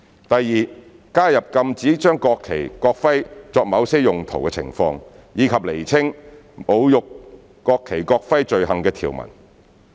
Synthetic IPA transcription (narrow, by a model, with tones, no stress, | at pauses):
t̪ɐ˨jːiː˨˧ | kaː˥jɐ˨p̚kɐ˧mt͡siː˨˥t͡ʃœː˥ŋkɔː˧kʰːe˨˩jkɔː˧k̚fɐ˥jt͡sɔː˧k̚mɐ˨˧wsɛː˥jʊ˨˩ŋt̪ʰo̰˨˩wkɛ˧t͡sʰɪ̰˨˩ŋfɔː˧ŋjiː˨˧kʰɐ˨p̚le˨˩jt͡sʰɪ˥ŋ | mo˨˧wjʊ˨kː | ɔː˧kʰːe˨˩jkɔː˧k̚fɐ˥jt͡ʃɵ˨ɥɦɐ˨˩ŋkɛː˧t̪ʰḭː˨˩wmɐ̰˨˩n